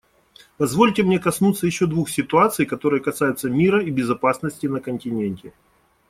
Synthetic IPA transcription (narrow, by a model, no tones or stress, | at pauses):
pɐzvo̞lʲtʲɪmnʲe̞kɐsnut̪sːəjɪɕːo̞d̪vuxsʲɪt̪ʊat̪sɨjkɐt̪o̞ɾɨjəkɐsajʊt̪səmʲiɾəibʲɪzɐpasnəsʲtʲɪnəkənʲtʲɪnʲenʲtʲɪ